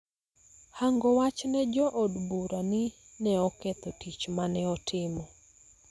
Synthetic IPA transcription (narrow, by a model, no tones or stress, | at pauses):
haŋɡɔwat͡ʃnɛd͡ʒɔʔɔdbuɾanɪ | nɛɔkɛt̪ɔtit͡ʃmanɛɔtʰɪmɔ